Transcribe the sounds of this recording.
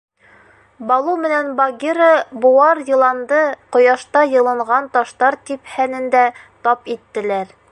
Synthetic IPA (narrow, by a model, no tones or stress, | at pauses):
bɒlˠumɘ̆nænbɐɡʲiɾəbuwɑɾjɤ̆lˠɑnd̪ɤqŏjɑʃt̪ɑjɤ̆lˠɤ̆ɴʁɑnt̪ɒʃt̪ɑɾt̪iphænɘ̆nd̪æt̪ɒpit̪ːɘ̆læɾ